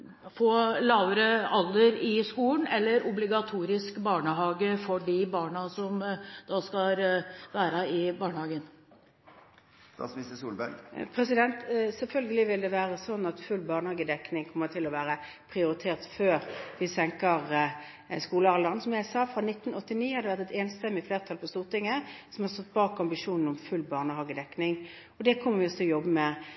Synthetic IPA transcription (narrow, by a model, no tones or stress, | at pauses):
foːlɑʋɾəɑlːəɾɪskuːlnɛlːəɾʊblɪɡɑt̪ʰuːɾɪskbɑːɳəɦɑːɡəfɔɖɪbɑːɳɑsɔmd̪̥ɑskɑʋæːɾɑɪbɑːɳəhɑːɡən | isəsuːlbæɾpʰɾɛsɪd̪ɛnt̪sɛlfœlɡəlɪʋɪld̪ɛʋæːʁəsɔnːɑt̪fʉlbɑːʁnəhɑːɡəd̪ɛknɪŋkʰɔmːəʁt̪ʰɪlːɔʋæːɾə | pʰʁɪʊɾɪt̪ʰeːʁt̪føːʁʋɪsɛŋkəʁ | skuːləɑʁlɑʁnsɔmjæɪsɑːfɾɑnɪt̪ːnɔt̪ːɪniːhɑd̪ɛʋæʁt̪ɛt̪eːnst̪ɛmːɪfleːʁt̪ʰɑlpʰɔst̪uːʁt̪ɪŋːəsɔmhɑʁst̪ɔt̪̚ːbɑːkɑmbɪʂuːnn̩ɔmfʉlːbɑːʁnəhɑːɡəd̪ɛknɪŋ | ɔd̪ɛkʰɔmːəʁʋɪɔst̪ʰɪljɔbːəmɛ